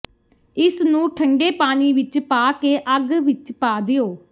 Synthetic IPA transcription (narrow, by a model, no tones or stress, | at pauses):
ɪsnũːʈʰəŋɖeːpaːniːʋɪt͡ʃpaːkeːʔəɡʋɪt͡ʃpaːd̪ɪoː